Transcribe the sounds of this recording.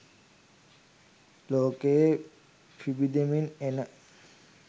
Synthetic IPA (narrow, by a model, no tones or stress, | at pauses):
loke | pʰibid̪eminena